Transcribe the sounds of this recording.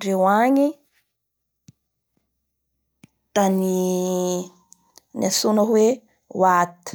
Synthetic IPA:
ɖ͡ʐewaɲi | t̪ani | nasunəɦwe | wat̪i̥

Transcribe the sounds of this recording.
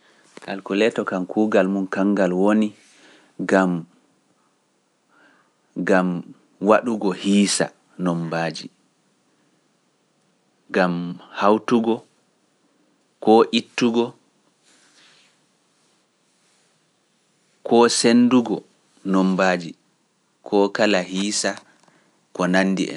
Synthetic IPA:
ʔa̰lkulɛtɔkankʰuːɡalmunkaŋɡalwoni | ɡam | ɡam | waɗuɡɔhiːsa̰ | nɔmbaːd͡ʒi | ɡamhawtuɡɔ | kɔːʔitːuɡɔ | kʰɔːsenduɡɔ | nɔmbaːd͡ʒi | kʰɔkalahiːsa | kɔnanːdḭʔɛ̰n

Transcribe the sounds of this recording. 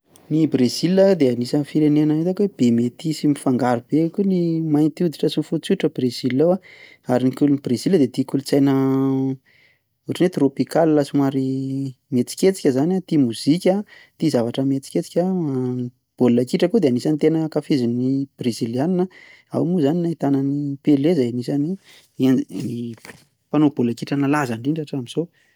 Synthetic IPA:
nibrez̥iləd̪eanisəfiɾenenəet̪akweb̥emet̪isimifaŋɡaɾub̥ekʲunimajnt̪iud̪iʈ͡ʂəsinfut͡suʈ͡ʂəbrez̥ilːowa | aɾinikʲulunibrez̥ild̪et̪ikulut͡sajnə | uʈ͡ʂinet̪ropikallasimaɾimet͡si̥kʲet͡si̥kʲəzanat̪imuz̥ikʲa | t̪izavaʈ͡ʂəmet͡si̥kʲet͡si̥kʲani | b̥olakiʈ͡ʂəkud̪eanisanit̪enəkafizinnib̥rezilianinə | a̰wmuzaninait̪anənipelezajanisani | i | panob̥olakiʈ͡ʂənalazaɳɖ͡ʐiɳɖ͡ʐaʈ͡ʂamiz̥o

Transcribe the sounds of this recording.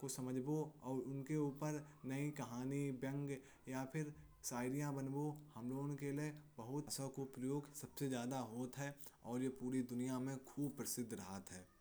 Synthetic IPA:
kosɐməd͡ʒboɔːɾʊnkeuːpəɾnɐikɐɦaːnibjə̃ŋɡ | japʰɪɾ | saːɪɾijãbɐnbohɐmloːnkeliebɐɦʊt̪sõkopɾəjoːɡsɐbsezjaːd̪aɦoːt̪ɦɛːɔːɾjepuːɾid̪ʊnijamẽkʰuːb̚pɾɪsɪd̪ʱɾɐɦat̪ɦɛː

